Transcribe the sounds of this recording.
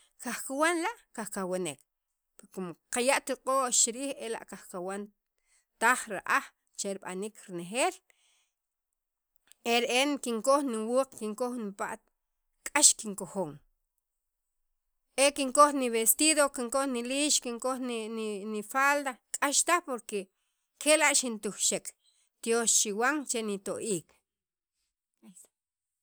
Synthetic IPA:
kaxkawanlaʔkaχkawenek | pekomoqajaʔt̪iqʼoʔt͡ʃiɾiːχela̰ʔkaχkawan | t̪aχɾa̰ʔaχ | t͡ʃeɾiɓa̰nikɾinexeːl | eɾeʔeŋkiŋkoχniwuːqkiŋkoxnipa̰ʔt̪̚ | kʼaʃkiŋkoxoːŋ | ʔekiŋkoxniβest̪iðokiŋkoxniliːʃkiŋkoxnnifald̪akʼaʃt̪axpoɾke | kelaʔʃint̪uxʃek | t̪joʃt͡ʃiwaŋt͡ʃenit̪oʔiːk

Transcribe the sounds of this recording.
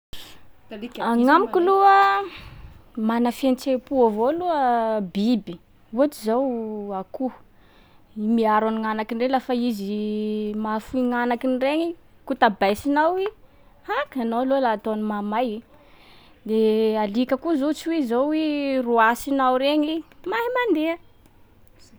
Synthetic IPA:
aŋamikiluə | manafent͡sepuavoluəbibi | uaʈ͡ʂizawaku | imiaɾaniŋanakinrelafaizimafuiŋanakinireɲi | kut̪abajsinawi | akanowalolaːt̪oanimamaji | d̪ealikəkuzot͡siwizowiruasinawɾeɲimaɦimand̪eə

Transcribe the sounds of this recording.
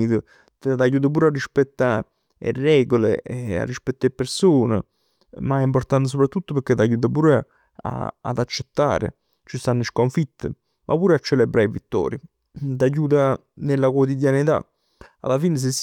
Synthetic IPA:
it̪ə | t̪t̪ajuːt̪apuːɾarːispɛt̪ːa | ḛrːɛːɡolḛa̰rːispɛt̪ːepeɾsoːnə̰ | maɛimport̪ant̪əs̬opɾat̪ːut̪ːʊpəɾk̟et̪ajuːt̪̬apuːɾ | a̰a̰d̪at͡ʃːet̪ːa̰ːɾɪ̰ | t͡ʃist̪anːiʃkoɱfit̪ːə | mʔa̰puːɾat͡ʃːelebɾaivit̪ːɔ̰ːɾi | t̪̬ajuːt̪a | nelːakwot̪id̪janit̪a̰ | a̰lafiːnəs̬es

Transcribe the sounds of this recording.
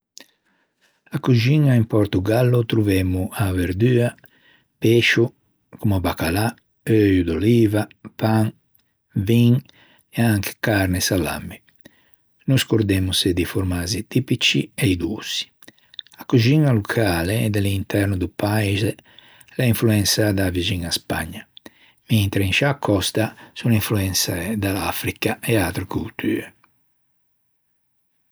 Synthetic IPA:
akuʒinaimpɔɾt̪uɡalːut̪ɾuvemuaveɾd̪yːa | peʃu | kumuabakala | øjud̪oliːvapaŋ | viŋ | ɛaŋke̥kaɾnesala̰mːi | nuskoɾd̪emused̪ifoɾmaːzit̪ipit͡ʃieid̪ṵːsi̥ | akuʒiŋalukʰaːleːd̪ɛlint̪ɛɾnud̪upaiz | laiɱfluɛnsad̪aviziŋaspa̰ɲːa | mint̪ɾeinʃakʰːɔst̪asuniɱfluɛnsaɛd̪alafɾikaɛat̪ɾekult̪ʰy̰ːɾe

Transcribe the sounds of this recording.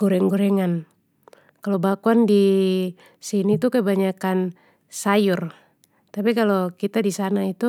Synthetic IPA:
ɡɔɾɛŋɡɔɾɛŋan | kalobakuandi | sinit̪ukəbaɲakan | sajur | t̪apikalokit̪adisanait̪u

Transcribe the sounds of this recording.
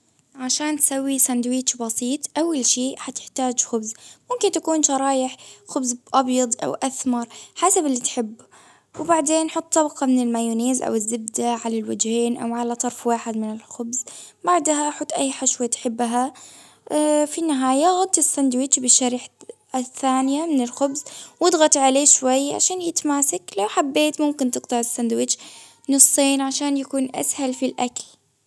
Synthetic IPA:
ʕaʃaːnt̪sawːisand̪wiːt͡ʃbɑsˤiːt̪ˤʔawːalʃiːħat̪ɪ̥ħt̪aːd͡ʒxʊbzmʊmkɪnt̪akuːnʃɑɾˤɑːʔɪħxʊbzʔɑbjɑd̪ˤʔa̰wʔaθmɑɾˤħaːsabʔɪlːit̪ħɪbː | wbaʕd̪eːnːħʊt̪ˤːɑbqɑmɪnɪlmajuːniːzʔa̰wɪzːɪbd̪aʕalalwad͡ʒheːnʔa̰wʕalat̪ˤɑɾˤfwaːħɪd̪mɪnɪlxʊbzbaʕd̪ɦaʔħʊt̪ːʔajːħaʃwat̪ħɪbːɦa | finːɪɦaːjaɣʊd̪ˤt̪ɪsːand̪wɪt͡ʃbɪʃaɾiħ | θːaːnɪjamɪnɪlxʊbzwɪd̪ˤɣɑt̪ʕaleːʃwajːʕa̰ʃaːnjɪt̪maːsaklawħabːeːt̪mʊmkɪnt̪ɨqt̪ˤɑʕɪsːand̪wɪt͡ʃ | nɨsˤːeːnʕaʃaːnjakuːnʔa̰shalfilʔakl

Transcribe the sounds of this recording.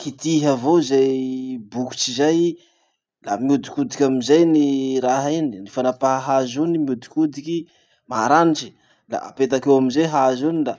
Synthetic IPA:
kit̪iɦavozajbuku̥t͡ʃizaj | lamiud̪i̥kud̪ikʲamizajniɾaɦininifanapaɦɦazunimud̪i̥kud̪ikʲi | maɾaniʈ͡ʂi̥ | la̰a̰pet̪akewamizeɦazunila

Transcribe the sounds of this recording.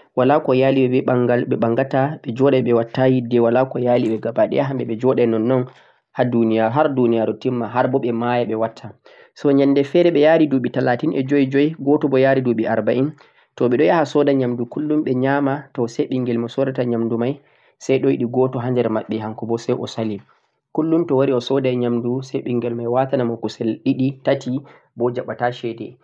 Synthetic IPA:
walakɔjaːliɓɛbɛɓaŋɡalɓɛɓaŋɡataɓɛd͡ʒɔɗɛɓɛwatːajidɛwalakɔjaliɓɛɡabaɗɛ̰jaɦambɛɓɛd͡ʒɔɗɛnɔnːɔn | hadunijaɦaɾdunijaɾɔtimːaɦaɾbɔɓɛmajaɓɛwatʰːa | sɔɲanːdɛfɛɾɛɓɛjaɾiduɓitalatinʔɛd͡ʒɔjd͡ʒɔjɡɔtɔbɔjaɾiduɓiʔaɾbaʔin | tɔɓɛɗɔjahasɔdaɲamdukulːumɓɛɲamatɔsɛɓiŋɡɛlmɔsɔdataɲamdumaj | sajɗɔjiɗiɡɔtɔɦandɛɾmaɓːɛɦaŋkɔbɔsɛjʔɔ̰salim | kulːumtɔwaɾiɔsɔdajɲamdusɛjɓiŋɡɛlmajwatanamɔkusɛlɗiɗitati | bɔd͡ʒaɓːataʃɛdɛ̰

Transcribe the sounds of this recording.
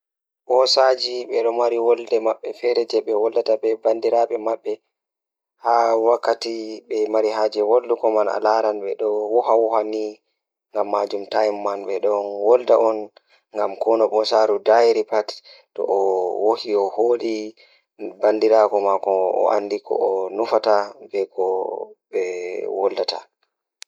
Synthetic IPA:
ɓɔsad͡ʒiɓɛɗɔmaɾiwɔldɛmaɓːɛfɛɾɛd͡ʒɛɓɛwɔldatabɛbandiɾaɓɛmaɓːɛ | hawakːatiɓɛmaɾiɦad͡ʒɛwoldukɔmana̰laɾanɓɛɗɔwɔhawɔhani | ŋɡamːad͡ʒumtajmːanɓɛɗɔnwɔldaʔɔn | ŋɡamkɔnɔɓɔsaːɾudajɾipattːɔ̰ʔɔwohiɔholi | bandiɾakɔmakɔɔ̰ʔa̰ndikʰɔ̰ɔnufatabɛkʰɔɓɛwɔldata̰

